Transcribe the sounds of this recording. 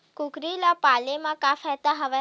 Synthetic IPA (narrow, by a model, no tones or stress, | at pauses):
kukɾilapalemãkafɛt̪aɦəʋe